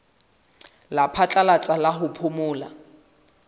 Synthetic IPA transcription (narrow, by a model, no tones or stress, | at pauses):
lapʰat͡ɬʼalat͡sʼalaɦʊpʰʊmʊːla̰